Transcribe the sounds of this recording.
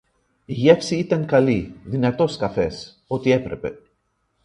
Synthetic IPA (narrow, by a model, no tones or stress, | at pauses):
iʝe̞fsiit̪ɐŋkɐliðinɐt̪o̞skɐfe̞s | o̞t̪ie̞pɾe̞pe̞̰